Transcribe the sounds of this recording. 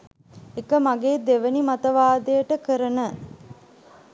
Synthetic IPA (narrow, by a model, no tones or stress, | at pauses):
ekəmaɡeːd̪eʋənimat̪əʋaːd̪ejəʈəkəɾənə